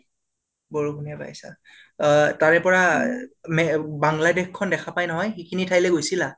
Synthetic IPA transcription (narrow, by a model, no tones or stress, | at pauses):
bɔɹukuniapa̰jsa̰ | taɹɛpɔɹa | mɛbaŋladɛxkʰːɔndɛkʰapajnɔɦɔjxikʰinitʰajlɛɡojsila